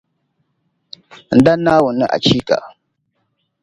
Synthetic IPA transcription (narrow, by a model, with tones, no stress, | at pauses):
n̩˨da˦nːa˦wu˨nːə˦ʔa̰˨t͡ʃi˦ka̰˨